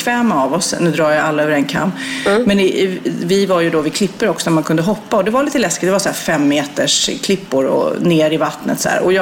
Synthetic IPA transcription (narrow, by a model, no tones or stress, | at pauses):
kʰvɛːmaːvɔsnʉːd̪ɾɑːɾjaalːaøːvəɾɛnkʰa̰mːmɛnvɪvaɾjɵd̪ɔvɪkʰlɪpːəɾɔksɔnæɾmankʰɵnd̪əɦɔpːaɔd̪ɛvaɾliːt̪əlɛskɪt̪̚d̪ɛvasɔæːfɛmːeːt̪əʂkʰlɪpːʊɾɔ̰neːɾɪvat̪nə̰t̪sɔæ̰ːɾɔjɑː